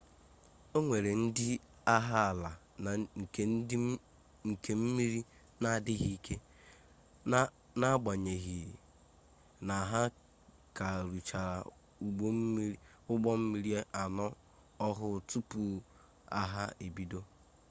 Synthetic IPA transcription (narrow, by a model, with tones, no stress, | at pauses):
o˦ŋʷe˨ɾe˨n̩˦dɪ˦ | a˦ɦa˦a˨la˨ | ŋ̩˨˦ | ŋ̩˨ke˨m̩˦mi˦ɾi˦ | na˨dɪ˦ɣi˦kʰe˦ | na˦ɡ͡ba˨ɲe˨ɣi˨ | na˨ɦa˦ | ka˨ɾu˨t͡ʃa˨ɾa˨ | u˨ɡ͡bo˦m̩˦ | ʊ˦ɡ͡bɔ˦m̩˦mi˦ɾi˦e˦ʔa˨nɔ˦ | ɔ˦ɦʊ˦˨tu˦pu˨ | a̰˦ɦa˦e˨bi˦do˦